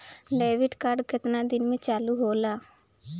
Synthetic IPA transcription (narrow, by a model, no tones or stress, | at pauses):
ɖeːʋɪɖkaɖkɪt̪nãːd̪ɪnmẽːt͡ʃaːluːɦoːlaː